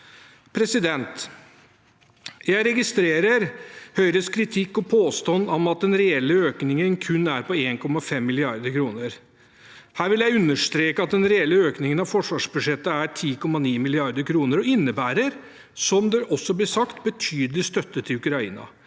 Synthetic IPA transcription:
pʰɾɛsɪd̪ɛnt̪ | jæɪɾɛɡɪst̪ɾeːɾəɾhœʏɾəskʰɾɪt̪ʰɪkːɔpʰoːst̪ɑnːɔmɑt̪̚d̪ɛnɾɛɛlːəøːknɪŋənkʰʉnːæɾpɔeːnkʰɔmːɑfɛmːɪlɪɑɾd̪əɾkʰɾuːnəɾ | hæːɾʋɪljæɪʉnːəʂt̪ɾeːkəɑt̪̚d̪ɛnɾɛɛlːəøːknɪŋənɑʋfɔʂʋɑːʂbʉd̪ʂɛt̪ːəæʈʰiːkʰɔmːɑniːmɪlɪɑɾd̪əɾkʰɾuːnəɾɔɪnːəbæːɾəɾ | sɔmd̪ɛʔɔsːɔblɪʂɑkt̪bət̪ʰyːd̪əlɪst̪œt̪ːət̪ʰːɪʉkɾɑḭːnɑ̰

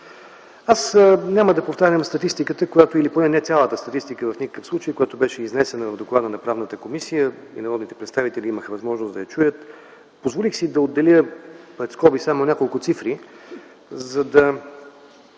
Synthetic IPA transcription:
asnʲaməd̪ɐpoft̪aɾʲəmst̪ɐt̪ist̪ikət̪əkojat̪oiliponɛnɛt̪sʲalˠət̪əst̪ɐt̪ist̪ikəvɐfnʲikə̥kəfslˠut͡ʃəjkojat̪obɛʃɛiznɛsɛnəvɐvd̪oklˠad̪ənɐpɾavnət̪əkomisijəḭnɐɾɔd̪nit̪ɛpɾɛt̪st̪avit̪ɛliiməxəvɐzmɔʒnoʊzd̪ɐjɐt͡ʃujət̪ | pozvolixsid̪ɐod̪ːɛlʲjəpɾɛt̪skɔbisamonʲakolˠkʊt̪sifɾi | zɐd̪ɐ

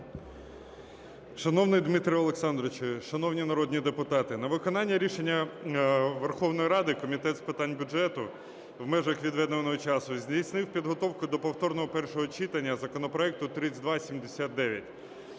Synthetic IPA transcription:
ʃɐnɔwnɪjd̪mit̪ɾʲɪɔlˠeksɑnd̪ɾɔt͡ʃɪʃɐnɔwnʲinɐɾɔd̪ʲnʲid̪epʊt̪ɑt̪ɪnɐʋɪkɔnɑnʲːɐɾʲiʃenʲːɐ | ʋerxɔwnɔjiɾɑd̪ɪkɔmʲit̪ɛt̪spɪt̪ɑnʲbʲʊʒɛt̪ʊ | wmɛʒɐxʋʲid̪ʋɛd̪ʋɐnɔɦɔt͡ʃɑsʊzʲdʲijsʲnɪwpʲid̪ɦɔt̪ɔwkʊd̪ɔpɔwt̪ɔrnɔɦɔpɛrʃɔɦɔt͡ʃit̪ɐnʲːɐzɐkɔnɔpɾɔɛk̚t̪ʊt̪ɾɪd̪ʋɑsʲimd̪esʲat̪̚d̪ɛʋʲjɐtʲ

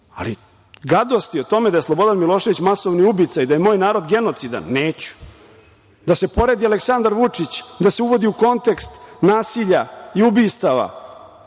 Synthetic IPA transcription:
a̰lḭ | ɡad̪o̞st̪iot̪o̞med̪ajslˠobo̞d̪anmilˠo̞ːʃe̞ʋit͡ɕmaso̞ʋniubit̪sajd̪aje̞moːjnaːɾo̞d̪ɡe̞not̪sid̪a̰nːeːt͡ɕu̥ | d̪ase̞po̞ɾe̞d̪ialeksand̪aɾʋut͡ʂit͡ɕd̪aseuʋo̞d̪iuko̞nt̪e̞kst̪naːsiʎaiubiːst̪aʋa̰

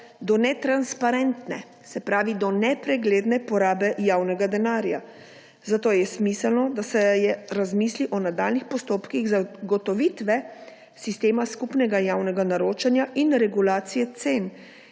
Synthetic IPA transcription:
d̪ɔnɛt̪ɾanspaɾɛnt̪nɛ | sɛpɾaːʋid̪ɔnɛpɾɛɡleːd̪nɛpɔɾaːbɛjaːwnɛɡad̪ɛnaːɾja | zat̪oːjɛsmiːsɛlnɔd̪asɛjɛɾazmiːsliʔɔnad̪aːlnixpɔst̪oːpkiɣzaɡɔt̪ɔʋit̪ʋɛ | sist̪eːmaskupnɛɡajaːwnɛɡanaɾoːt͡ʃanjaʔinɾɛɡulaːt̪sijɛt̪sen

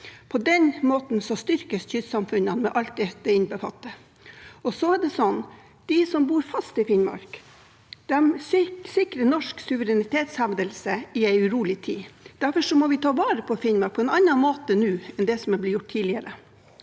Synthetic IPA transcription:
pʰɔd̪ɛnmoːt̪n̩sɔst̪ʏɾkəsçʏd̪sɑmfʉnːɑnmɛʔɑlt̪̚d̪ɛd̪ɛɪnbəfɑ̰t̪ːə | ɔsɔæɖɛsɔnː | d̪̥ɪsɔmbuːɾfɑst̪ɪfɪnmɑ̰ɾk | d̪̥ɛmsɪkɾənɔʂksʉʋəɾɛnɪt̪ʰeːt̪shæʋd̪əlsəɪæɪʉɾuːlɪt̪ʰḭːd̪̥æɾfɔʂɔmɔʋɪt̪ʰɑːʋɑːɾəpʰɔfɪnmɑɾk̚pʰɔɛnɑnːɑnmoːt̪ənʉːɛnd̪ɛsɔmæblɪːjʊʈ̚t̪ʰiːlɪəɾə

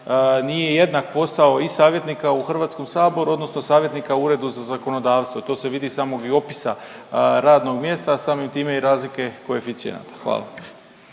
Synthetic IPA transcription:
nije̞je̞d̪nak̚po̞sao̞isaːʋje̞t̪nikauxr̩ʋaːt̪sko̞msaːbo̞ɾuo̞d̪no̞sno̞saːʋje̞t̪nikauɾe̞d̪uzazako̞no̞d̪aːʋst̪ʋo̞t̪o̞ːseʋid̪isaːmo̞ɡio̞pi̥saɾaːd̪no̞ɡmje̞ːst̪asaːmimt̪iːmeiɾaːzlike̞koe̞fit̪siḛna̰t̪ḁxʋa̰ːlˠa̰

